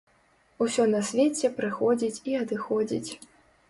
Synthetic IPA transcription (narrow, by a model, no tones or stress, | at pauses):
usʲɔnɐsʲvʲɛt͡sʲɛpɾɨxɔd͡zʲit͡sʲiɐd̪ɨxɔd͡zʲḭt͡sʲ